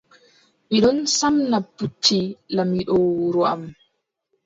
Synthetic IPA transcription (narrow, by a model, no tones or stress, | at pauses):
miɗɔnsamnapːutʰːilamiɗɔwɾɔa̰m